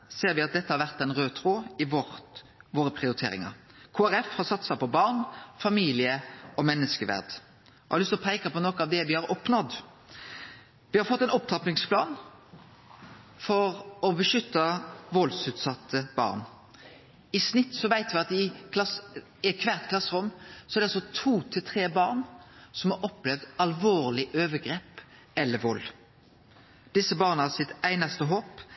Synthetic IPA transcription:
seːɾʋɪɑt̪̚d̪ɛt̪ːəhɑɾʋæʁt̪ɛnʁøːt̪ʰɾoːɪʋ | ʋoːɾəpʰʁɪʊɾɪt̪ʰḛːɾɪ̰ŋɑ̰ɾ | kʰoːæɾɛfhɑsɑt̪sɑpɔbɑːʁnfɑmiːlɪəɔmɛnːəskəʋæ̰ʁd̪ | ɑhɑɾlʏst̪ɔpʰeːkəpɔnɔːkəɑʋd̪ɛʋɪhɑɾɔpnɔd̪ | ʋɪhɑɾfɔt̪ːɛɪnɔpt̪ʰɑplɪŋspʰlɑ̰ːn | fɔɾɔbəʃʏt̪ːɑʋɔlsʉːt̪sɑt̪ʰːəb̥ɑ̰ːʁn | ɪsnɪt̪ːsɔʋæɪt̪ʋɪɑt̪ɪkʰlɑs | ɛkʰʋæʁt̪kʰlɑsːʁʊmːsɔɛʁd̪ɛɑlsɔt̪ʰuːt̪ʰɪlt̪ʰʁeːbɑːʁnsɔmhɑʔɔpːlɛʋd̪ɑlʋoːʁlɪʔøːʋəɡɾeːp | ɛlːəɾʋɔlː | d̪̥ɪsːəbɑːʁnəhɑsɪt̪æɪnɑst̪əɦoːp

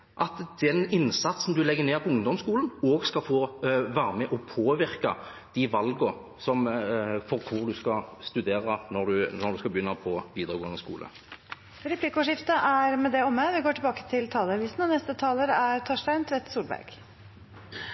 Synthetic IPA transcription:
ʔɑt̪d̪̥ɛnɪnsɑt̪sn̩d̪ʉlɛɡːəneːʁpʰɔʊŋd̪ɔmskuːlən̩oːɡskɑfoːʋæːʁəmɛʔɔpʰoːʋɪɾkɑ̰ | d̪̥ɪʋɑlɡə | sɔmfɔʁkʰʊʁd̪ʉskɑst̪ʉd̪eːɾənɔʁd̪ʉnɔɾd̪ʉskɑbəjʏnːɑpʰɔʋiːd̪ʁəɡoːənəskṵːlʔə̰ | ɾɛpʰlikoʂɪft̪əʔæɾmɛd̪ɛɔmːəʋɪɡoːʈʰɪlbɑːkə̥t̪ʰɪlt̪ʰɑːləɑʋiːsn̩ɔnɛst̪ət̪ʰɑːləɾəæɾt̪ʰoːʂʈæɪnt̪ʰɾɛt̪ːsuːlbæ̰ɾɡ̥

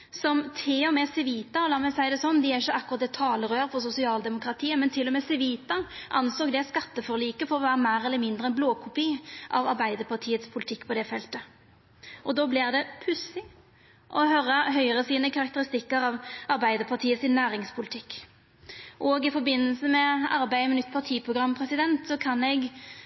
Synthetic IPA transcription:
sɔmt̪ʰɪɔmɛːsɛʋiːt̪ɑɔlɑːmɛsæɪd̪ɛsɔnːd̪ɪæɾɪçːəɑkːʊɾʁɑt̪d̪ɛt̪ʰɑːləʁøːɾəfɔʁsʊsɪɑːld̪ɛmʊkɾɑt̪ʰiːəmɛnt̪ʰɪlːɔmɛːsɛʋiːt̪ɑʔɑ̰nsoːkd̪ɛskɑt̪ːəfɔɾliːkəfɔɾɔʋæːɾəmæːɾɛləmɪnd̪ɾəɛnbloːkʰʊpiːʔɑ̰ʋɑɾbæɪd̪əpʰɑʈʰiːət̪spʰʊlɪt̪ʰɪkːpʰɔd̪ɛfɛlt̪ə | ʔɔd̪oːblɪʁd̪ɛpʰʉsɪ | ʔɔhœɾəɦœʏʁəsiːnəkʰɑʁɑk̚t̪əɾɪst̪ɪkːəɾɑʋɑɾbæɪd̪əpʰɑt̪ʰiːəsɪnːæːɾɪŋspʰʊlɪt̪ʰɪkː | ʔoːɡɪfɔɾbɪnːəlsəmɛɑɾbæɪmɛnʏt̪ːpʰɑʁt̪ʰiːpʰʁʊɡʁɑmpʰʁɛsɪd̪ɛnt̪sɔkʰɑnɛɡ

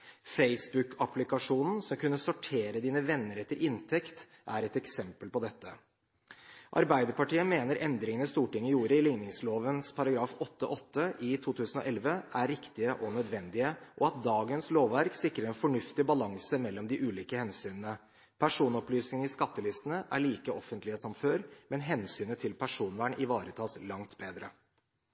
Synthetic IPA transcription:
feɪsbʉkʰɑplɪkɑʂuːnn̩sɔmkʉnːəsɔʈʰeːɾəd̪iːnəʋɛnːəɾɛt̪ːəɾʔɪnt̪ʰɛkt̪ | ʔæɾɛt̪ɛksɛmpəlpɔd̪ɛt̪ːə | ʔɑ̰ɾbæɪd̪əɾpɑʈiːəmeːnəɾʔɛnd̪ɾɪŋənəst̪uːʈɪŋːəjuːɾəɪlɪŋnɪŋsloːʋənspʰɑɾɑɡɾɑːfɔt̪ːəʔɔt̪ːəʔɪt̪ʰuːt̪ʰʉːsn̩ɔ̰ʔɛlʋəæɾɪkt̪ɪəʔɔnœd̪ʋɛnd̪ɪəʔɔɑt̪̚d̪ɑːɡənsloːʋːæɾksɪkɾəɾɛnfɔɳʉft̪ɪbɑlɑŋsəmɛlːɔmd̪ɪʔʉːliːkəhɛnsyːnənə | pʰæʂuːnɔplyːsnɪŋəɪskɑt̪ːəlɪst̪ənəʔæ̰ɭiːkəɔfːənt̪lɪəsɔmføːɾmɛnɦɛnsyːnət̪ʰɪlpʰæʂuːnʋæɳʔɪʋɑːɾət̪ʰɑːslɑŋt̪beːd̪ɾə

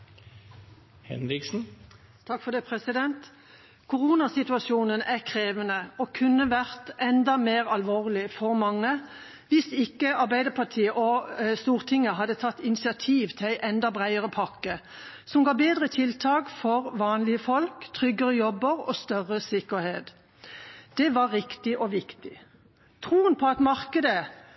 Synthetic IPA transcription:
hɛ̰nɾɪksn̩ | t̪ʰɑkfɔʁd̪eːpʰʁɛsɪd̪ɛnt̪ | kʰʊʁuːnɑsɪt̪ʉɑsʃuːnənæʁkʰʁeːʋənəɔkʰʉnːəʋæʁt̪ʔɛnd̪ɑmeːʁɑlʋoːʁlɪfɔʁmɑŋːə | ʋɪsɪkːəɑʁbæɪd̪əpʰɑʁʈ̪ʰiːəʔɔst̪uːʁt̪ʰɪŋːəɦɑd̪ːət̪ʰɑt̪ːɪnɪsɪɑt̪ʰiːʋt̪ʰɪlæɪʔɛnd̪ɑbʁæɪəʁəpʰɑkːə | sɔmɡɑːbeːd̪ʁət̪ʰɪlt̪ʰɑːkfɔʁʋɑːnlɪəfɔlkt̪ʰʁʏɡəʁəjɔbːəʁɔ̰st̪œʁəsɪkəʁheːt̪ | d̪̥ɛʋɑʁːɪkt̪ɪʔɔʋɪkt̪ɪ | t̪ʰʁuːənpʰɔɑt̪mɑʁkəd̪ə

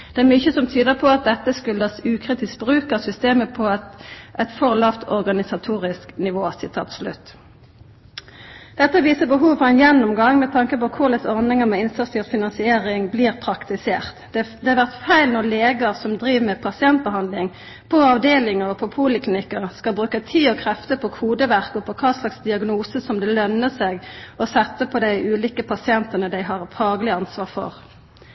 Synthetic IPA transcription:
d̪̥ɛæʁmʏçəsɔmt̪ʰyːd̪əʁpʰɔɑt̪̚d̪ɛt̪ːəskʉld̪ɑsʉːkʰʁiːt̪ɪs̚bʁʉːkəʁsʏst̪eːməpʰɔʔɛt̪fɔʁlɑft̪ɔʁɡɑnɪsɑt̪ʰuːʁɪsknɪʋoːsɪt̪ʰɑ̰ːt̪slʉ̰t̪ː | d̪̥ɛt̪ːəʋiːsəbəɦuːʋfɔʁɛnjɛnːʊmɡɑŋmɛt̪ʰɑŋkəpɔkʰʊlɛsɔʁd̪ɪŋəmɛɪnst̪ʁɑst̪ʰiːʋfɪnɑnsɪeːʁɪŋbliːʁpʰɾɑkt̪ɪseːʁt̪d̪ɛɑʁʋæʁt̪fæɪlnɔʁleːɡəʁsɔmd̪ɾiːʋmɛpʰɑsɪɛnt̪̚bəɦɑnd̪lɪŋ | pʰɔɑʋd̪eːlɪŋəʁɔpʰɔpʰuːlɪklɪnɪkːəʁskɑlbʁʉːkət̪ʰiːɔkʰʁɛft̪əpʰɔkʰuːd̪əʋæʁkɔpʰɔkʰɑːslɑksd̪ɪɑɡnuːsəsɔmd̪ɛlœnːəseːɡɔsɛt̪ːəpʰɔd̪æɪʔʉːliːkəpʰɑsɪɛnt̪ənəd̪æɪɦɑʁfɑːɡəlɪɑnsʋɑːʁfɔ̰ʁ

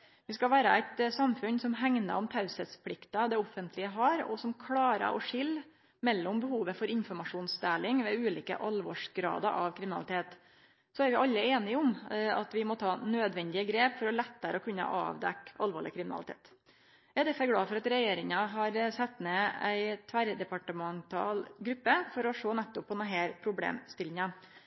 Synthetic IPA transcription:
ʋɪskɑʋæːɾəæɪt̪sɑmfʉnsɔmɦæŋnə̰ɾɔmt̪ʰɑʉsəspʰlɪkt̪ɑd̪ɛɔfːənt̪ʰlɪəɦɑɾɔ̰sɔmkʰlɑːɾə̰ɾʔɔ̰ʂɪl | mɛlːɔmbəhuːʋəfɔɾɪnfɔɾmɑʂuːnsd̪eːlɪŋʋɛʉːliːkə̰ʔɑlʋɔ̰ːʂɡɾɑ̰ːd̪ə̰ɾʔɑʋkʰɾɪmɪnɑlɪt̪ʰeːt̪ | sɔæɾʋɪʔɑlːəeːnɪɔmɑ̰t̪ʋɪmɔt̪ʰɑːnøːd̪ʋɛnd̪ɪəɡɾeːpfɔɾɔlɛt̪ːəɾəɔkʰʉnːə̰ʔɑ̰ːʋd̪ɛkːɑlʋoːɭɪ̰kʰɾɪmɪnɑ̰ɪt̪ʰḛːt̪ | jæɪd̪ɛfɛɾɡlɑːfɔɾɑt̪ɾɛjeːɾɪŋɑɦɑɾsɛt̪ːneːæɪt̪ʰʋæɾd̪ɛpɑʈəmɑnt̪ʰɑ̰ːlɡɾʉpːəfɔɾɔʂoːnɛt̪ːɔpʰːɔnɦæːɾpʰɾʊblḛːmst̪ɪlːɪɲɑ

